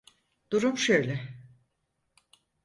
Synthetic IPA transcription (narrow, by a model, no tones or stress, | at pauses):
d̪̥uɾumʃøjlʲɛ